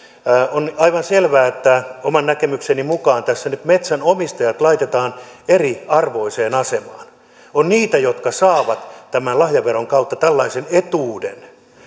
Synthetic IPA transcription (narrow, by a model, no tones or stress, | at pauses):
onɑiʋɑnselʋæːet̪ːæomɑnnækemyksenimukɑːnt̪æsːænyt̪met̪sænomist̪ɑjɑt̪lɑit̪et̪ɑːneriɑrʋoiseːnɑsemɑːn | onniːt̪æjot̪kɑsɑːʋɑt̪t̪æmænlɑhjɑʋeroŋkɑut̪ːɑt̪ælːɑisenet̪uːdḛn